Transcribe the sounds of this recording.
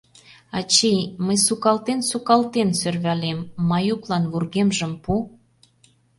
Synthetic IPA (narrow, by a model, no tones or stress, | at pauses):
ɑt͡ɕejməjsukɑlt̪ensukɑlt̪ensørβælemːɑjuklɑnβurɣemʒəmpu